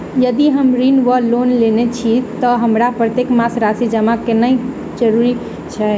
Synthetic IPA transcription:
jəd̪iɦəmɾinʋəlonlenet͡ʃʰit̪ɔɦəmɾapɾət̪jekmasɾasid͡ʒəmakenəi | d͡ʒəɾuɾi | t͡ʃʰɛ

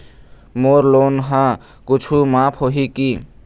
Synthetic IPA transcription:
moɾlonɦã | kʊt͡ʃʰumapʰɦoɦiki

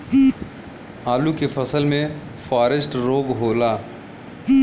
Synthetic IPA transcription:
aːlukefɐsəlmẽ | faːɾesʈɾoːɡɦoːlaː

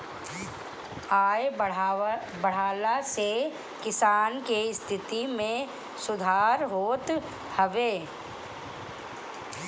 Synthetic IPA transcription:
aːj | bəɽ̤aːlase | kɪsaːnkest̪ʰɪt̪imẽ | sʊd̪ʱaːɾɦoːt̪ | həʋeː

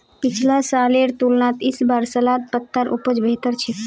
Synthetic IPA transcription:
pit͡ʃʰlasaleɾt̪ulnat̪isbaɾsəlat̪̚pət̪ːaɾʔupəd͡ʒbʱet̪əɾt͡ʃʰɛ

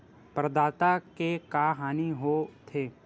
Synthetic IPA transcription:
pɾəd̪aːt̪akekaːɦaːniɦot̪ʰeː

